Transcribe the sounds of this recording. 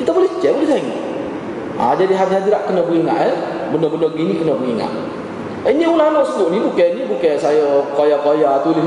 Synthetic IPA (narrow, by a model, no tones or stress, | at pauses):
kit̪abolɛht͡ʃɛbolɛhsaŋḭ | a̰d͡ʒadiɦadiɦhadiɾaʔkənəbəiŋa̰ʔɛ | bənəbənəɡinikənəbəɡiŋa̰ʔ | iniulanɔʔsəɡʊʔniukɛnibukɛsajəkojakojat̪ulɪ